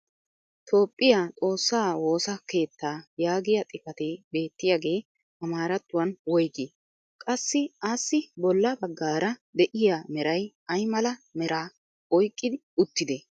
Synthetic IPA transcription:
t̪ʰo̞ːpʼːɪjaːtʼo̞ːsːaːwo̞ːsɐke̞ːt̪ːaːjaːɡɪjɐt̪ʼɪfɐt̪ebe̞ːt̪ːɪjaɡe̞ː | ɐmaːɾɐt̪ːʊwɐnwɔjɡɪ | kʼɐsːɪasːɪbɔlːɐbɐɡːaːɾɐd̪ɛʔɪjamɛɾɐj | ɐjmɐlɐmɛɾaː | ɔjkʼːɪd̪ɪʊt̪ːɪd̪e

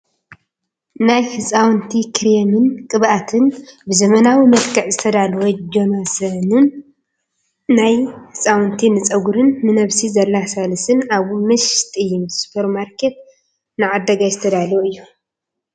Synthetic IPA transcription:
najhɨsʼawnt̪ʰikʰɨɾemɨnkʼɨβʔat̪ʰɨnbɨzɐmɐnawimɐt̪kʰɐʕzɨt̪ʰɐd̪alwod͡ʒonosɐnɨn | ajhɨsʼawɨnt̪ʰinɨt͡sʼɐɡuɾɨnːɨnɐβsizɐlːasalɨsɨnaβmɐʃt̪ʼɨjːumspʰɐɾmaɾkʰet̪̚ | nɨʕad̪ːɐɡajzɨt̪ʰɐd̪aloɨjːu

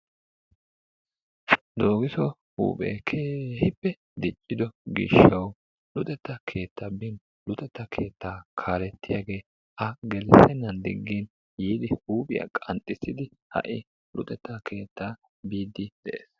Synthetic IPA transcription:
d̪o̞ːɡɪsɔ | hṵːpʼḛːkʰeːhɪpːɛ | d̪ɪt͡ʃʼːɪd̪ɔɡɪ̰ʃɐw | lʊt̪ʼɛt̪ːɐkʰe̞ːt̪ʰːɐːbɪn | lʊt̪ʼɛt̪ːɐkʰe̞ːt̪ːaːkʰaːlɛt̪ːɪjaːɡe̞ː | ʔɐɡɛlsɛnːɐnd̪ɪ̰ɡːin | jiːd̪ɪhuːpʼɪ̰jɐ̰kʼɐ̰nt̪ʼːɪsɪd̪ɪ | hɐ̰ʔɪ | lʊ̰t̪ʼɛt̪ːɐkʰe̞ːt̪ːaː | biːd̪ːɪd̪̥ɛʔḛːs

